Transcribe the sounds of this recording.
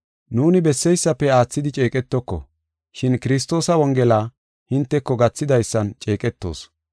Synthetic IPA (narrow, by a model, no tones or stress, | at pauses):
nuːnɪbɛsːɛjsːɐpːɛaːt͡sːɪd̪ɪt͡ʃʼe̞ːkʼɛt̪ːɔkːɔ̰ | ʃɪnkɪɾɪst̪ːo̞ːsɐwɔŋɡɛlaː | hɪnt̪ːɛkːɔɡɐt͡sːɪd̪ɐjsːɐnt͡ʃʼe̞ːkʼɛt̪ːo̞̰ːs